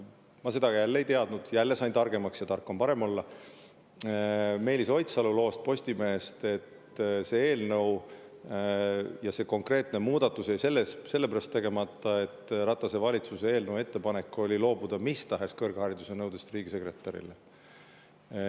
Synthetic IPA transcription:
mɑse̞d̪̥ɑɡ̥ɑjælːejt̪e̞ɑd̪̥nud̪̥jælːe̞sɑjnt̪ɑrɡ̥e̞mɑksjɑt̪ɑrkːˑompɑɾe̞mo̞lːɑ | me̞ːlʲiso̞jt̪sɑlulo̞ːst̪̚po̞sʲt̪ime̞ːst̪e̞t̪ː | se̞e̞ːlnɤw | jɑse̞ːko̞ŋkre̞ːt̪ne̞muːd̪̥ɑt̪ːˑusejse̞lːesse̞lːepæɾɑst̪ːe̞ɡe̞mɑt̪ˑːɑe̞t̪ːˑrɑt̪ːˑɑse̞vɑlʲit̪susee̞ːlnɤwe̞t̪ːe̞pɑne̞kːˑo̞lʲilo̞ːbud̪̥ɑmist̪ɑɦe̞skɤrɡ̥hɑɾid̪̥use̞nɤwd̪̥est̪riːɡ̥ise̞kre̞t̪ːˑɑɾḭle

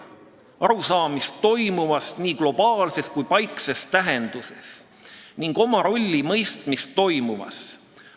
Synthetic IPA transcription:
ɑɾusɑːmist̪ːo̞jmumɑsniːɡ̥lo̞b̥ɑːlse̞skujpɑjkse̞stt̪æɦend̪̥use̞s | niŋɡ̥o̞mɑɾo̞lʲːimɤjst̪mist̪ːo̞jmumɑ̰s

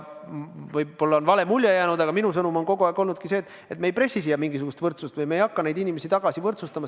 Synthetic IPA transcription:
vɤjbo̞lːɑonvɑle̞mulʲjɑjæːnud̪ɑɡ̥ɑminus̬ɤnumo̞nko̞ɡ̥uæˑːɡko̞lnud̪̥̚kiseːt̪ːˑ | et̪ːmejpre̞sʲisijɑmiŋɡisuɡust̪vɤrt̪sust̪vɯjmejɑkːɑne̞jd̪inime̞sit̪ɑɡ̥ɑsivɤrt̪sust̪ɑmɑ

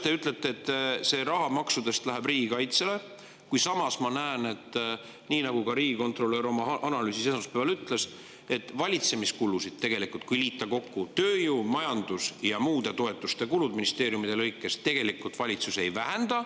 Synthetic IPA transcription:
t̪e̞yt̪ˑlet̪ːˑe̞ːt̪ːse̞ɾɑɦɑmɑksud̪e̞st̪læɦæbriːɡ̥ikɑjt̪se̞le̞ | kujsɑmɑsmɑnæːne̞t̪ː | niːnɑɡ̥ukɑɾiːɡ̥iko̞nt̪ro̞lːøːɾo̞mɑʔɑnɑlyːsisenɑspevɑlyt̪ːˑle̞s | e̞t̪ːvɑlʲit̪se̞miskulːusid̪̥̚t̪ːe̞ɡ̥e̞likult̪̚kujliːt̪ːˑɑko̞kːut̪ø̞ːjumɑjɑnd̪usjɑmuːd̪̥e̞t̪o̞e̞t̪ˑːust̪e̞kulud̪̚minist̪e̞ːɾjumid̪̥e̞lɤjkːˑe̞st̪e̞ɡ̥elikːult̪vɑlʲit̪susejvæɦe̞nd̪̥ɑ

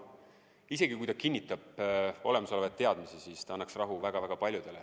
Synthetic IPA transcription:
ise̞ɡikujt̪ɑkinʲːit̪ːˑɑb̥o̞le̞mɑsolevet̪ːe̞ɑd̪̥misisist̪ɑɑnːɑksrɑɦuvæɡ̥ɑvæɡ̥ɑpɑlʲjud̪̥e̞le

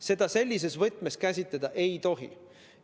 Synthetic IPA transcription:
se̞d̪̥ɑse̞lʲːis̬e̞svɤt̪ːˑme̞skæsʲit̪led̪̥ɑʔe̞jt̪o̞ɦḭ

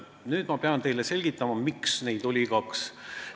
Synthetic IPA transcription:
nyːd̪mɑpeɑnt̪e̞jlese̞lʲɡ̥it̪ːˑɑmɑmiksne̞jd̪̥olʲiɡɑks

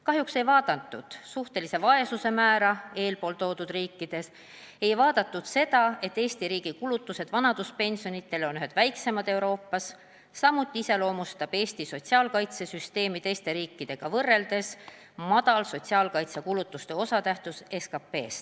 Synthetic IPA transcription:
kɑɦjukse̞jvɑːd̪̥ɑnt̪ːˑud̪̥suht̪e̞lise̞vɑe̞suse̞mæːɾɑe̞ːlpo̞ːlt̪o̞ːd̪̥ud̪riːkːˑid̪̥e̞s | e̞jvɑːd̪̥ɑt̪ːˑud̪̥se̞d̪ɑe̞t̪ːeːst̪iɾiːɡ̥ikulut̪ːˑuse̞d̪̥vɑnɑd̪̥uspe̞nʲsijonit̪ːˑe̞lo̞nyɦe̞d̪̥væjkse̞mɑd̪̥e̞wɾo̞ːpːɑsː | ɑmːut̪ːˑiise̞lo̞ːmust̪ɑb̥e̞ːst̪iso̞t̪ʲsiɑːlkɑjt̪sesyst̪e̞ːmid̪e̞ːst̪e̞ɾiːkˑːid̪̥e̞ɡ̥ɑvɤrːe̞ld̪̥e̞s | mɑd̪̥ɑlso̞t̪ʲsiɑːlkɑjt̪sekulut̪ːˑust̪e̞o̞sɑt̪æht̪use̞skɑpːe̞̰ːst̪

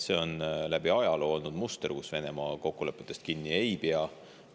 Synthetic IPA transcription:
se̞o̞nlæb̥iɑjɑlolnud̪must̪erkusve̞ne̞mɑko̞kːule̞pːˑet̪ːˑest̪̚kinːiejbeɑ

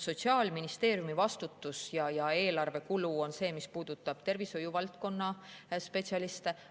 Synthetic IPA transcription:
so̞t̪siɑːlminist̪e̞ːɾjumivɑst̪ut̪ːˑusjɑjɑe̞ːlɑrve̞kuluo̞nse̞ːmispuːd̪̥ut̪ːˑɑb̥t̪e̞rviso̞juvɑlt̪̚ko̞nːɑspe̞t̪siɑlist̪e

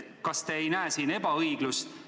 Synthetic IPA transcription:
kɑst̪eejnæesiːne̞bɑɤjɡ̥lust̪

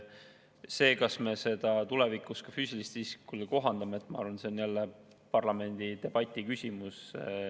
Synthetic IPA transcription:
se̞ːkɑsme̞se̞d̪̥ɑt̪ule̞vikːˑust̪kɑfyːsʲilist̪iskulko̞ɦɑnd̪̥ɑmeet̪ːˑmɑɑ̰ɾvɑnse̞onjælːe | pɑrlɑme̞nʲd̪̥id̪e̞b̥ɑt̪ʲːˑikysʲimus

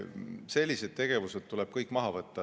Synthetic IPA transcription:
se̞lʲːise̞d̪̥̚t̪e̞ɡ̥e̞vuse̞d̪̥̚t̪uleb̥̚kɤjkːˑmɑɦɑvɤt̪ːɑ

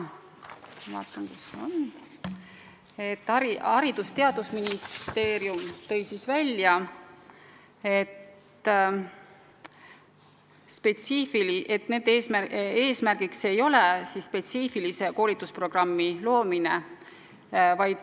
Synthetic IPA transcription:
smɑ̰ːt̪ːˑɑŋkuson | e̞t̪ːɑiɑɾid̪̥ust̪e̞ɑd̪̥usminist̪eːɾjumt̪ɤ̞jsisvælʲjɑ | e̞t̪ː | spe̞t̪siːfiliet̪ne̞ːd̪eːsmæe̞ːsmærɡ̥ikse̞jo̞le̞sisːpe̞t̪siːfilise̞ko̞ːlit̪ːˑuspro̞ɡ̥rɑmːilo̞ːmine | vɑjd̪̥

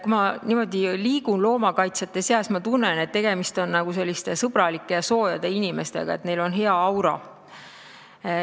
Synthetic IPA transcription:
kumɑniːmo̞d̪iliːɡ̥unlo̞ːmɑkɑjt̪sjɑt̪ːˑe̞seɑsmɑt̪unːene̞t̪ːe̞ɡ̥e̞mist̪o̞nːɑɡ̥use̞lːist̪e̞sɤb̥ɾɑlikːˑe̞jɑso̞ːjɑd̪̥e̞inime̞st̪e̞̰ɡ̥ɑ̰e̞t̪ne̞jlo̞nɦe̞ɑɑwɾɑ̰

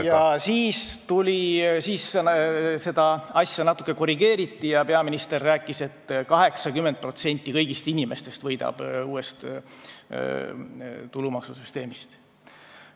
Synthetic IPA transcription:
jɑsiːst̪ulʲisiːs | se̞d̪̥ɑɑsjɑnɑt̪ːˑu̥kːˑe̞ko̞ɾiɡe̞ːɾit̪ˑːijɑpe̞ɑminist̪e̞rːæːkːˑise̞t̪ːkɑɦe̞ksɑkymːent̪̚pro̞t̪se̞nʲt̪ˑːikɤjɡist̪inʲime̞st̪e̞st̪vɤjd̪̥ɑ̰b̥uːest̪ | t̪ulumɑksusyst̪e̞ːmist̪

